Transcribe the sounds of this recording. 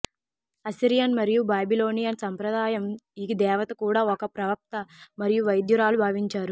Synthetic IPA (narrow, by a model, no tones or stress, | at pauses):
ɐsiɾijɐnmɐɾijubaːbiloːnijɐnsɐmpɾɐd̪aːjɐmiɡid̪ɛːʋɐt̪ɐkuːɽaːɔkɐpɾɐʋɐk̚t̪ɐmɐɾijuʋɐjd̪juɾaːlubʱaːʋiɲt͡ʃaːɾu